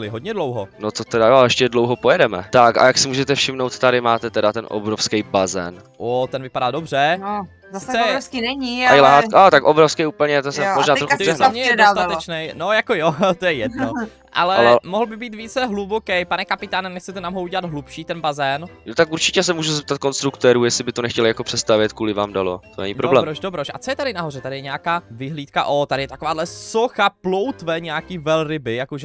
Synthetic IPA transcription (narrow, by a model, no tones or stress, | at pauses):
lɪɦodɲɛdlowɦonot̪ot̪ɛdajoɛʃcɛdlowɦopojɛdɛmɛ̰t̪aka̰jaksɪmuːʒɛt̪ɛfʃɪmnowt̪t̪aɾɪmaːt̪ɛt̪ɛdat̪ɛnʔo̰bɾofskɛjbazɛ̰n | ʔot̪ɛnvɪpadaːdobr̝ɛ | ssɪt͡sɛɾoskinɛɲijlaɦaat̪akʔobɾofskɛjuːpl̩ɲɛt̪osɛmoʒnaːt̪ɾoxuɦnaɲɛjɛdoast̪at̪ɛt͡ʃnɛjno̞jakojot̪ojɛjɛdno | ʔa̰lɛmoɦl̩bɪbiːt̪viːt͡sɛɦlubokɛjpanɛkapɪt̪aːnɛnɛxt͡sɛt̪ɛnamɦowuɟɛlad̪ɦlupʃiːt̪ɛnbazɛnnot̪akuɾt͡ʃɪcɛs̬ɛmuːʒuzɛp̚t̪at̪̚konst̪ɾukt̪ɛːɾuːjɛsɪbɪt̪onɛxcɛlɪjakopr̥ɛtst̪avjɛt̪kuːlɪva̰ːmdalo̰t̪onɛ̰ɲɪdpɾoblɛːmbɾoʃdobɾoʃʔa̰t͡sojɛt̪adɪnaɦorɛt̪adɪjɛɲɛakaːvɪɦliːt̪ka̰ʔot̪adɪjɛt̪ako̞vaːdlɛsoxaplowt̪vɛɲɛakiːvɛlɾɪbɪjakoʒɛ